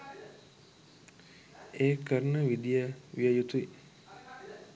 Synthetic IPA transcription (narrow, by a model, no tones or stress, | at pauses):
eːkəɾənəʋid̪ijəʋiəjut̪ui